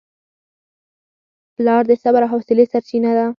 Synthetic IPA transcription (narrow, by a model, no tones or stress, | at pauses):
plɑɾd̪əsabaɾaɦɔsɪlesaɾt͡ʃinad̪a